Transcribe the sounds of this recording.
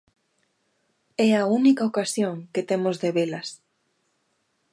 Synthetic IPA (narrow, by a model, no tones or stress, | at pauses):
ɛaunikaokasjoŋket̪emozðeβelɐs